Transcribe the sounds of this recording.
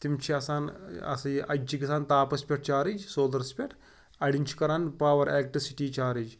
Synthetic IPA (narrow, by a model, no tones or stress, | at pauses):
t̪imt͡ɕʰiɐsaːnɐ̰səʔɐ̰d͡ʑikisaːnt̪aːpɐspʲeʈ̚t͡ʃaːɾid͡ʒsoːld̪ɐɾspʲeʈʰ | ɐɽiɲʲt͡ʃʰi̥kɐɾanpaːʋɐɾelk̚ʈɾisiʈiːt͡ʃaːɾid͡ʒ